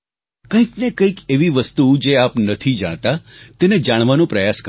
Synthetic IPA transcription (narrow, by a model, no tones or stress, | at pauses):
kə̃ĩknekə̃ikeʋiʋəst̪ud͡ʒeapnət̪ʰid͡ʒa̰ɽ̃t̪at̪ened͡ʒaɽ̃ʋanũpɾəjask